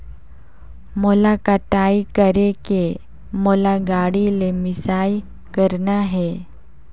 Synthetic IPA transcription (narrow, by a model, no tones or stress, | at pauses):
mʊlakat̪aːikəɾeke | molaɡaːɽilemɪsaːj | kəɾnaɦɛː